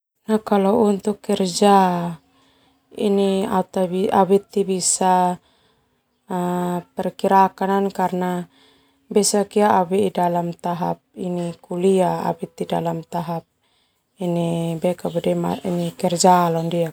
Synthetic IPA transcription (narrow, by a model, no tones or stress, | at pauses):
nakalɔunt̪ukːɛrd͡ʒa | ḭniat̪abiawit̪ːibisa | pɛrkiɾakanankarna | bɛsakiaːwiidalamt̪aɦap̚inikuliaa̰wit̪ːidalamt̪aɦap̚ | inibɛkabɛdɛma̰inikɛrd͡ʒalɔndia